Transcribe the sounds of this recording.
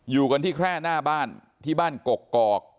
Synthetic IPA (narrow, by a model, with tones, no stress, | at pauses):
juː˨˩ka˧nt̪ʰiː˥˩kʰɾɛː˥˩naː˥˩baː˥˩n | t̪ʰiː˥˩baː˥˩nko˨˩kːɔː˨˩k̚